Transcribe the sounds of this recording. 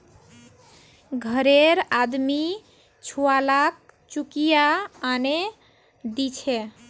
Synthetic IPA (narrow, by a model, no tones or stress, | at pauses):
ɡʱəɾeɾad̪mi | t͡ʃʰualak̚ | t͡ʃukijaːne | d̪it͡ʃʰe